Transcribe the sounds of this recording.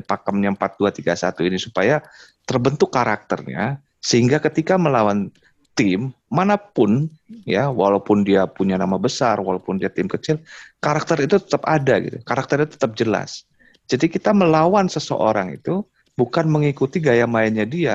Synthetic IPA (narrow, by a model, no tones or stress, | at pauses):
pakəmɲampat̪̚duat̪iɡasa̰t̪uinisupaja | t̪ərbənt̪ʊkːaɾak̚t̪ərɲa̰ | səɦiŋɡakət̪ikaməlawan | t̪ɪmː | anapʊnjawalawpʊndiapuɲanamabəsarwalawpʊndiat̪ɪmkət͡ʃɪlkaɾak̚t̪əɾit̪ut̪ə̥t̪əpadaɡḭt̪ukaɾak̚t̪əɾit̪ut̪ət̪əp̚d͡ʒəla̰s | d͡ʒadikit̪aməlawansəsə̰ʔoɾaŋḭt̪u | bukanməŋikut̪iɡajamaɪnɲadia